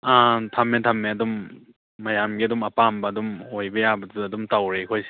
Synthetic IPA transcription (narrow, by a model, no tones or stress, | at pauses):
atʰamːetʰamːeɐdumː | ɐjamɡiɐdumɐpambɐːdumojbɐjabɐduːdumtawɾekʰojs